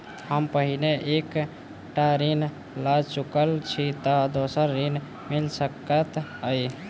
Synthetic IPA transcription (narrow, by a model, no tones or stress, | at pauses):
həmpəɦineʔek | ʈaɾin | lat͡ʃukəlt͡ʃʰit̪ɔd̪osəɾːin | milsəkət̪əj